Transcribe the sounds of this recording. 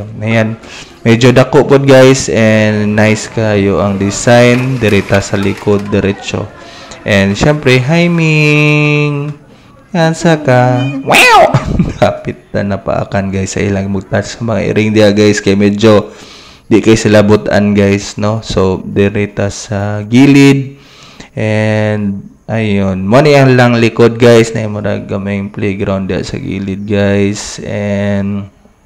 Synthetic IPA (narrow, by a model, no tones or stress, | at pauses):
nɐjan | mɛd͡ʒod̪ɐkoʔpot̪̚ɡajsʔɛnnajskajʊʔɐŋd̪ɪsajnd̪ɛɾit̪asɐlɪkod̪̚ːɛɾɛt͡ʃo̰ʔɛnd̪ʃɛmpɾɛɦajmɪ | ŋ | jansakawɛwkapɪt̪̚ːa̰nɐpa̰ʔa̰kanɡajsːɐ̰ʔɪ̰laŋmɐɡ̚t̪asɐmɐŋaʔɪ̰ɾɪŋd̪ɪaɡajskɐjamɛd͡ʒo̞ | d̪ɪʔkajsɪlabʊt̪a̰nɡajsno̞sod̪ɛɾɪt̪asaɡiːlɪd̪̚ | ʔɛnd̪̚ | ʔajonmanɪʔɐŋlaŋlɪkod̪̚ɡajsnɐjmoɾa̰ɡɐmɛŋplejɡɾawnd̪ɪha̰ʔsɐ̰ɡḭːlɪd̪̚ɡajsʔɛnd̪